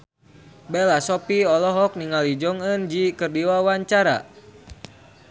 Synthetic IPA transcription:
bɛlasɔpiɔlɔɦɔk̚niŋalid͡ʒɔŋənd͡ʒikərdiwawaɲt͡ʃaɾa̰

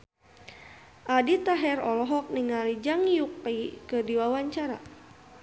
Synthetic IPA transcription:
ʔadit̪aɦɛɾɔlɔɦɔk̚niŋalid͡ʒaŋijukaikədiwawaɲt͡ʃaɾa̰

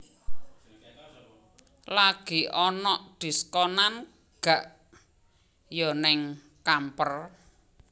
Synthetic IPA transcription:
laɡ̥iʔɔnɔʔd̪̥i̤skɔnan | ɡ̥a̤ʔ | jɔnɪŋ | kampər

